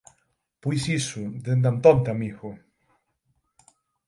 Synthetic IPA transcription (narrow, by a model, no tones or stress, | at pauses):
pijsisud̪end̪amt̪ɔnt̪amiɣo